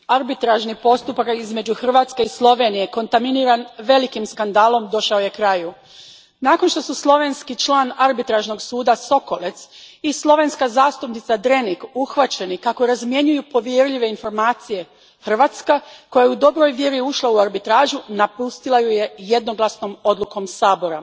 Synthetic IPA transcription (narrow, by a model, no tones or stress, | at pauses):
aɾbit̪ɾaʒnipo̞st̪upakizme̞d͡ʑuxr̩ʋaːt̪skeislˠo̞ʋe̞ːnije̞ko̞nt̪aminiɾanʋe̞likimskand̪aːlˠo̞md̪o̞ʃaoje̞kɾaju | naːko̞nʃt̪o̞suslˠo̞ʋe̞nskit͡ʃlˠaːnaɾbit̪ɾaʒno̞ɡsuːd̪aso̞ko̞let̪sislˠo̞ʋe̞nskazaːst̪upnit̪sad̪ɾe̞nikuxʋat͡ɕe̞nikakoɾazmje̞ɲujupo̞ʋjeɾʎiʋe̞info̞ɾmaːt̪sije̞ | xr̩ʋaːt̪skako̞jajud̪o̞bɾo̞jʋje̞ɾiuʃlˠauaɾbit̪ɾaːʒunapust̪ilˠajuje̞je̞d̪no̞ɡlasno̞mo̞d̪luko̞msaːbo̞ɾa